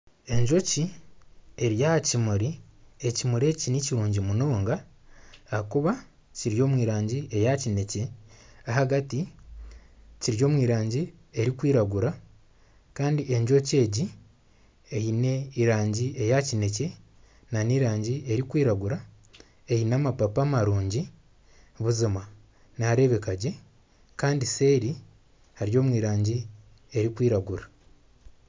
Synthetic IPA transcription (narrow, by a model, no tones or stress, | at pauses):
e̞ɲʒo̞ci | e̞ɾjahcimuɾiecimuɾe̞ːciniciɾuːɲɟimuno̞ːŋɡaː | kuβa | ciɾijo̞ːmwiːɾaːɲɟiʔe̞jacine̞ce̞aɦaɡati | ciɾjo̞ːmwiːɾaːɲɟie̞ɾikwiːɾaɡuɾa | kaːndie̞ɲʒo̞ce̞ːɟi | ejine̞iɾaːɲɟie̞jacine̞ce̞ | naniɾaːɲɟie̞ɾikwiːɾaɡuɾa | ejinaːmapapaːmaɾuːɲɟi | βuzima | naːɾe̞βe̞kaɟe̞ | kaːndise̞ːɾi | haɾjo̞ːmwiːɾaːɲɟi | e̞ɾikwiːɾaɡuɾḁ